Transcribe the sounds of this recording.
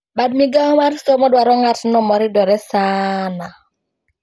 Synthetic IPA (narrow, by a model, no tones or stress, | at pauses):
badmiɡaɔmaɾsɔmɔdwaɾɔŋatnɔmɔɾɪdɔɾɛsaːna